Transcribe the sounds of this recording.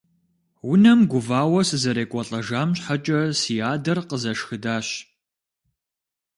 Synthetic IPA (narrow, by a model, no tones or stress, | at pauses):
wʊnɐmɡʷʊvaːwɐsɨzɐɾeːkʷʼɔɬʼɐʒaːmɕħat͡ʃʼɐsijaːdɐrqəzɐʃxɨdaːɕ